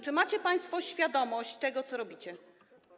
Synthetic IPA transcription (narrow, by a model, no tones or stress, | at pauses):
t͡ʂɘmat͡ɕɛpaj̃st̪fɔɕfʲjad̪ɔmɔɕt͡ɕt̪ɛɡɔt̪sɔɾɔbʲit͡ɕɛ